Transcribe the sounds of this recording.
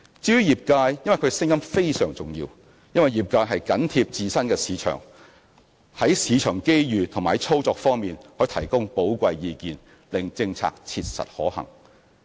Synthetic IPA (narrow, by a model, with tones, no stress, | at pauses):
t͡siː˥y˥jiː˨˩p̚kaː˧jjɐ˥nwɐ˨˩jkʰːɡɛ˧sɪ˥ŋjɐ˥mfe˥jsœ̰ː˨˩ŋt͡sʊ˨˩ŋjḭː˧w | jɐ˥nwɐ˨˩jiː˨p̚kaː˧jɦɐ˨jkɐ˨˥nt̪ʰiː˧p̚t͡siː˧sɐ˥nkɛː˧siː˨˧t͡ʃʰœ̰ː˨˩ŋ | hɐ˨˥jsiː˨˧t͡ʃʰœː˨˩ŋke˥jjyː˨t̪ʰʊ˨˩ŋmaː˨˩hɐ˨˦jt͡sʰo˥wt͡sɔː˧k̚fɔː˥ŋmiː˨nhɔː˨˥jt̪ʰɐ˨˩jkʊ˥ŋpo˨˥wkʷɐ˧jjiː˧kiː˨n | lɪ˨ŋt͡sɪ˧ŋt͡sʰa̰ː˧k̚t͡sʰiː˧t̚sɐ̰˨t̚hɔː˨˥hɐ̰˨˩ŋ